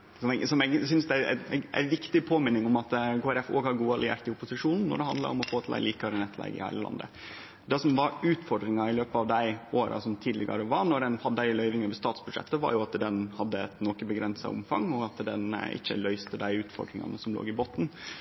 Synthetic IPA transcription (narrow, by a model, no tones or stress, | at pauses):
sɔmɛɡsɔmɛɡsʏnsd̪ɛææ̰ɛ̰ɡæ̰ɪʋɪkt̪ɪpʰoːmɪnːɪŋʊmɑt̪kʰoːæɾɛfo̰ːɡhɑɾɡuːɑlɪḛːɾt̪ɪʊpʊsɪʂuːnn̩ːɔ̰ɖɛhɑnd̪lɑ̰ɾɔmɔfoːt̪ʰlæɪliːkɑɾənɛt̪ːʰlɛ̰ɡɪ̰hæɪəlɑ̰nd̪ə̰ | d̪ɛsɔmʋɑɾʉːt̪fɔɾɖɾɪŋɑɪløːpəɑʋd̪æɪoːɾɑ̰sɔmt̪ʰiːd̪lɪɡɑ̰ɾəʋɑɾnɔɖɛnhɑd̪ːɪlœʏʋɪŋɑʋɛst̪ɑːt̪sbʉd̪ʂɛ̰t̪ːəʋɑ̰ɾjʊɑt̪d̪ɛnhɑd̪ːəɛt̪nɔkəbəɡɾɛnsɑ̰ʊ̰mfɑ̰ŋːɔɡɑt̪d̪ɛ̰nɪ̰çːə̰lœʏst̪əd̪æɪʉːt̪fɔ̰ɖɾɪŋɑ̰nəsɔmlo̰ːɡɪboːt̪ːn̩